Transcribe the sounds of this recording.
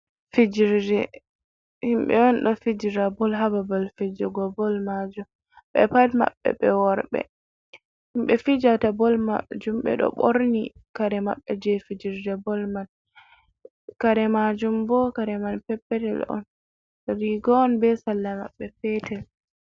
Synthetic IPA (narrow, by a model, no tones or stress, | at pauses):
fid͡ʒiɾd͡ʒɛ | himɓɛ̰ɔnɗɔfid͡ʒiɾabɔlɦababalfid͡ʒɔɡɔbɔlmad͡ʒum | ɓɛ̰padma̰ɓːɛ̰ɓɛwɔɾɓɛ̰ | himɓɛfid͡ʒatabɔlma̰d͡ʒumɓɛ̰ɗɔ̰ɓoɾnikaɾɛma̰ɓːɛd͡ʒɛfid͡ʒiɾd͡ʒɛbɔlman | kaɾɛmad͡ʒumbɔkaɾɛmanpɛpːɛtɛ̰lɔ̰n | ɾiɡɔːnbɛsalːama̰ɓːɛpɛtɛl